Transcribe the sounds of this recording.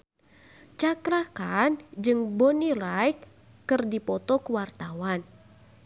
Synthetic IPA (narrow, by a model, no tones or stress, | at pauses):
t͡ʃakɾakand͡ʒɨŋbɔnilajkː | ɨrdipɔt̪ɔkuwart̪awan